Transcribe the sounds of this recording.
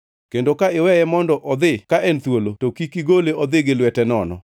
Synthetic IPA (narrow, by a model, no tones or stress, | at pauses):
kendokaɪwɛjɛmɔndɔʔɔd̪ɪkaʔɛnt̪wolotokikiɡoleɔd̪ɪɡɪlwɛtɛnɔnɔ̰